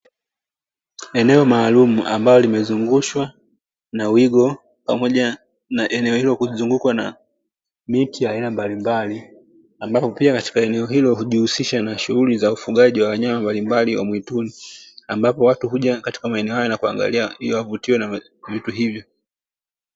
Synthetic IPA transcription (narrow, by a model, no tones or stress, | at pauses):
ɛnɛɔmaːlumuʔa̰mbalɔlimɛzuŋɡuʃwa | nawiɠɔ | pamɔʄa | naʔɛnɛɔhilɔkuzuŋɡukwana̰ | mitijaːinambalimbali | ambapɔpiakati̥kaɛnɛɔɦilɔhuʄihusiʃanaʃuɣulizaufuɠaʄiwawaɲamambalimbaliwa̰mwituniambapɔwatuɦuʄakati̥kamaɛnɛɔhajɔnakua̰ŋɡa̰liahijɔwavutiwɔna | vituɦivjɔ